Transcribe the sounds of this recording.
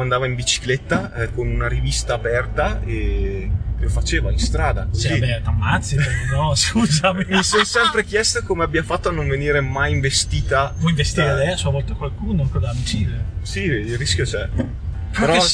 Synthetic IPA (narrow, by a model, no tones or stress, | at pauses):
and̪aːvaiɱbit͡ʃi̥klet̪ːakonunaɾivist̪aːpɛrt̪ae | lofat͡ʃeːvainst̪ɾaːd̪asiet̪amːat̪sːipeɾenɔskuːzamimiɛsonsɛmpɾek̟jɛst̪okomeabːiafat̪ːoanːoɱveniːɾemajiɱvest̪iːt̪avɔimvest̪iɾed̪ɛasuavɔlt̪akwalkuːnoaŋkod̪amit͡ʃiːɾesiiriskʲjot͡ʃɛ | peɾɔ